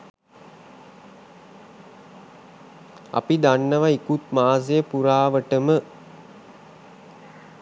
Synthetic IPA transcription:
a̰pid̪anːəʋaikut̪maːzejəpuɾaːʋəʈəmə

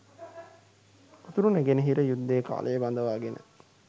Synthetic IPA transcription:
ut̪uɾuneɡenəɦiɾəjud̪ːeːka̰ːlʔejeband̪əʋaːɡenʔə̰

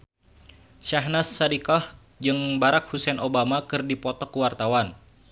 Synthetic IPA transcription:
ʃaɦnasːadikɔh | d͡ʒɨŋbaɾak̚husɛnʔobamakɨrdipɔt̪ɔkuwart̪awan

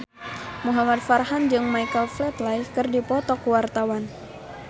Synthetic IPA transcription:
muɦamat̪̚farhand͡ʒɨŋmajkəlflɛt̪laikɨrdipɔt̪ɔkuwart̪awan

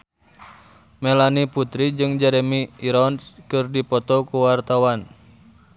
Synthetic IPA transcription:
mɛlaniput̪ɾid͡ʒɨŋd͡ʒɛɾɛmiːɾɔnskɨrdipɔt̪ɔkuwart̪awan

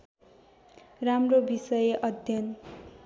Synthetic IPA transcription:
ramrobisʌjeʔʌd̪ʱjʌn

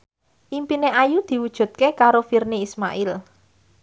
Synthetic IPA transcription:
ʔimpineʔajud̪̥i̤wud̥ʒ̥ṳt̪̚kekaɾofirniismaʔɪl

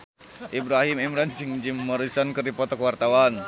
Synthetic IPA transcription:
ʔibɾaɦimɛmɾand͡ʒɨŋd͡ʒimːɔɾisɔnkɨrdipɔt̪ɔkwart̪awan

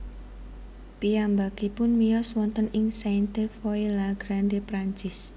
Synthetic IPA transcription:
piambakipʊnmijɔswɔnt̪ənɪŋsant̪efoelaɡ̥ɾandepɾaɲt͡ʃɪs

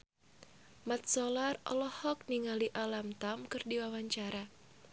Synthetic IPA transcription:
mat̪̚sɔlarɔ̰lɔhɔk̚niŋaliʔalamt̪amkɨrdiwawaɲt͡ʃaɾa

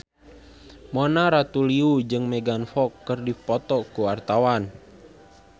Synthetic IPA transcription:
mɔnaɾat̪uliud͡ʒɨŋmɛɡanfɔkːərdipɔt̪ɔkuwart̪awan

